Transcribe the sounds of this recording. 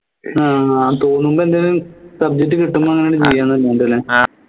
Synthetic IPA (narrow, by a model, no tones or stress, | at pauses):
aːat̪o̞ːnːumboend̪elumsɐb̚d͡ʑet̬ːɨkiʈːumːoːɐŋːɐnejoɽɨt͡ɕejːaːnːɐɐlːenɖɐlːeː